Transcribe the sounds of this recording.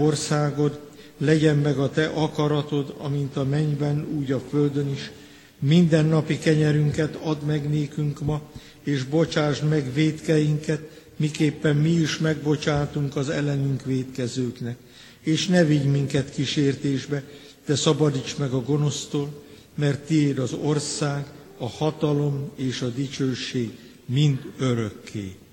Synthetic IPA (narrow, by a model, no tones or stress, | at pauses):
orsaːɡo̞d̪ | lɛɟɛmːɛɡɒt̪ɛʔɒkɒɾɒt̪o̞d̪ɒ̰mint̪ɒmɛɲbɛnuːɟɒføld̪øniʃ | mind̪ɛnːɒpikɛɲɛɾyŋkɛt̪ɒd̪mɛɡneːkyŋkmɒ | eːʒbo̞t͡ʃaːʒd̪mɛɡʋeːt̪kɛjiŋkɛt̪ | mikeːpːɛmmiiʃmɛɡbo̞t͡ʃaːt̪uŋkɒzɛ̰lɛnyŋkʋeːt̪kɛzøːknɛk | eːʃnɛviɟmiŋkɛt̪kiʃeːrt̪eːʒbɛ | d̪̥ɛsɒbɒd̪it͡ʃmɛɡɒɡo̞no̞st̪oːl | mɛrt̪ːieːd̪ɒzo̞rsaːɡ | ɒhɒt̪ɒlo̞meːʃɒd̪it͡ʃøːʃeːɡ | mind̪øɾøkːḛː